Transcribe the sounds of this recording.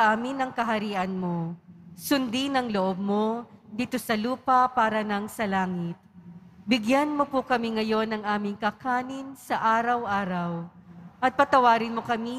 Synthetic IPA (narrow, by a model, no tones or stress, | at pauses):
ʔaːmɪnɐŋkɐɦɐɾiːʔɐnmosʊnd̪inɐŋloʔob̚mod̪iːt̪osɐluːpɐpaːɾɐnɐŋsɐlaːŋɪt̪̚bɪɡjanmopʊkɐmiŋɐjo̞nɐŋʔaːmɪŋkɐkaːnɪnsɐʔaːɾɐwʔaːɾɐwʔɐt̪̚pɐt̪ɐwaːɾɪnmo̞kɐmi